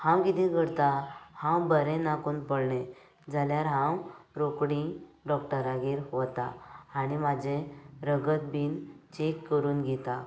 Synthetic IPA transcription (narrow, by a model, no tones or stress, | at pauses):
hãwkit̪ĩɡəɽt̪ahãwbəɾẽnakuːnpəɽɳẽ | d͡zaljaɾɦãwɾokɽĩɖɔkʈəɾaɡiːɾɦot̪a̰ːɽ̃imad͡ʑʱeɾəɡət̪̚biːnt͡ɕekkːəɾuːnɡʱɛt̪a